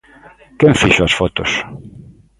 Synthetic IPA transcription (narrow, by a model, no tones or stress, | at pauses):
køɱfiʃɒrfot̪oʃ